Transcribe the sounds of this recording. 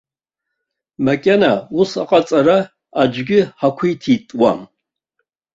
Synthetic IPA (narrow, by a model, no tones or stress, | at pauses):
makʲʼenausa̰qʼat͡sʼaɾa | ad͡ʒʷɡʲɪħakʷʰijtʰitʼwa̰m